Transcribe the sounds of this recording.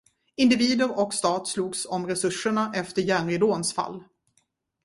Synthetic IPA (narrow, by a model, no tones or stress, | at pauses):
ɪnd̪ɪviːd̪əɾɔkst̪ɑːt̪sluːɡsɔmɾɛsɵʂːəɳaʔɛft̪əɾjæːɳɾɪd̪oːnsfa̰lː